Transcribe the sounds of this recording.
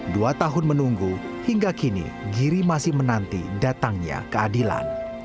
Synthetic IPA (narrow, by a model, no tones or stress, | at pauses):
duat̪aɦʊnmənuŋɡu | hiŋɡakinḭɡiɾimasɪhmənant̪idat̪aŋɲa̰kəadila̰n